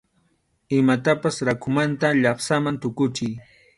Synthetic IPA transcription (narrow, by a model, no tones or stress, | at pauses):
ɪmat̪apasɾakʊmant̪aʎɑχsamant̪ʊkʊt͡ʃɪj